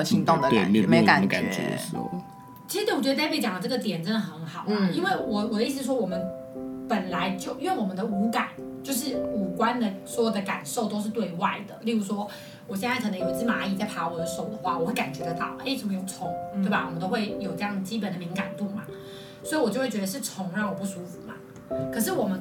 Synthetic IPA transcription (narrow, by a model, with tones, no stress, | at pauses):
t͡ɕʰi˧˥ŋt̪o˥ŋd̪ə˧t̪e˥˨˩m˥m˥a˨˩ka˨˩n̰˦˥˩ | t͡ɕʰi˧˥ʂɻ̩˧˥wt͡ɕɛ˧˥˧pʰt͡ɕɑ˨˩ŋd̪ə˧ʈ͡ʂɤ˥˩ɡə˩t̪̬jɛ˨˩nʈ͡ʂə˥˩nxə˧˥nxɑ˨˩ʊm˦i˥nwe˥˩ɪwɔ˨˩wɔ˨˩˦i˥˩s̬̩˧˥˩ʂwɔ˥wɔ˨˩mə˦n | pə˨˩nla˧˥ɪt͡ɕjo˥˧ʊy˥wɛ˥˩nwɔ˨˩mə˦nd̪ə˧u˧˥ka˨˩˦n | t͡ɕjo˥˧ʊʂ̬ɻ̩˥˩u˨˩kwa˥nd̪ə˨swɔ˧˥jɔ˨˩d̪ə˦˧ka̰˨˩nʂo˥˩ʊt̪o˥ʊʂ̬ɻ̩˥˧t̪we˥˧ɪwa˥˩ɪd̪ə̰˩li˥˩ɻu˧˥ʂwɔ˥ | wɔ˨˩ɕ̬jɛ˥˧nt͡sa˥˩kɤ˨˩nɤ˧˥ŋjo˨˩ʊt͡s̩˥˩ma˧˥i˥˧˩t͡sa˥˩ɪpʰa˧˥wɔ˨˩d̪ə˦ʂo˨˩ʊd̪ə˦xwa̰˥˩wɔ˨˩xwɪka˨˩nt͡ɕɥɛ˧˥d̪ə˧t̪ɑ̰˨˩ʊʔe˥˩ɪʂə˥˩mə˧jo˨˩ŋʈ͡ʂʰʊ˧˥ŋt̪we˥˩a˨wɔ̰˨˩mə˦nt̪o˥ʊxwe˥˩ɪjo˨˩ʈ͡ʂɤ˥˧jɑ˥˩ŋd̪ə˩t͡ɕi˥p̬ə˨˩nd̪ə˩mi˧˥ŋka˨˩nt̪u˥˩ma̰˩ | swɔ˧˥i˧wɔ˨˩t͡ɕo˥˧wt͡ɕɥɛ˧˥ə˧ʂɻ̩˥˩ʈ͡ʂʰʊ˧˥ŋɻɑ˥˩ŋwɔ˨˩pu˥˩su˧˥fu˨˩ma̰˩˦ | kʰɤ˨˩ʂ̬ɻ̩˥˩wɔ˨˩mə˦n